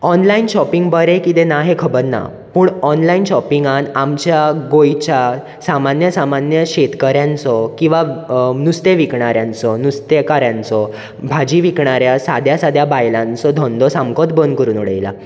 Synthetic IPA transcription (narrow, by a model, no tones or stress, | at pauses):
ɔnlainɕɔpiŋɡbəɾekit̪enaɦekʰəbəɾna̰ | puːɳɔnlainɕɔpiŋɡanamt͡ɕjaɡojt͡ɕja | samanjəsamanjəɕet̪kəɾjãnt͡sɔkĩw̃ʋanust̪eʋikɳaɾjãnt͡sɔnust̪ekaɾjãnt͡sɔ | bʱad͡ʑiʋikɳaɾjasad̪ʱjasad̪ʱjabajlãnt͡sɔd̪ʱɔ̃nd̪ɔsamkɔt̪̚bənd̪kəɾuːnɔɽə̰jla̰